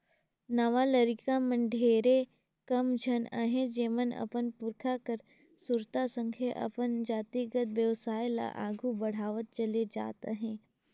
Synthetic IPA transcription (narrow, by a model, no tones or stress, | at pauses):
nɐʋalɐɾɪkamɐ̃ɳɖʱeːɾe | kɐmd͡ʒʱəna̰ɦẽd͡ʒeːmənɐ̰pənpʊɾkʰakəɾ | suɾt̪asə̃ŋkʰjaʔɐ̰pənd͡ʒaːt̪iɡət̪ʋjəʋsaːjla̰ʔa̰ːɡʱubɐɽ̤aːʋət̪̚t͡ʃɐled͡ʒa̰ːt̪ḛɦɛ̃ː